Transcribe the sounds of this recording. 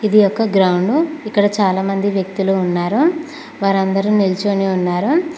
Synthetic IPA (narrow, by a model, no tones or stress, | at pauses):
id̪ijɔkːɐɡɾɐwɳɖuikːɐɽɐt͡ʃaːlaːmɐnd̪iʋjɐk̚t̪uluːnːaːɾu | ʋaːɾɐnd̪ɐɾunilt͡ʃoniunːaːɾu